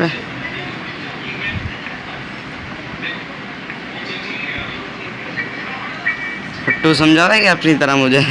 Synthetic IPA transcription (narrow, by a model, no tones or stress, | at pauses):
e | fʊʈːos̬ɐmd͡ʒʱaɛkeɐpnit̪əɾamʊd͡ʒʱe